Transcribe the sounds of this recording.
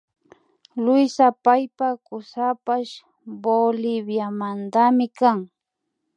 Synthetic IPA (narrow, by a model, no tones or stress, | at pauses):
lʊjsapajpakʊsapaʃ | bolɪbjamand̪amɪkaŋ